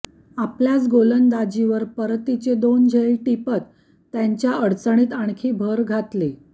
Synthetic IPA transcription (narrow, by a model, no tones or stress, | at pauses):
apljat͡sɡolənd̪ad͡ʑiʋəɾpəɾt̪it͡sed̪ond͡ʑʱeiʈipət̪ː | jaɲt͡ɕjaəɽt͡səɳ̃iːt̪aɳkʰiːbʱəɾɡʱat̪li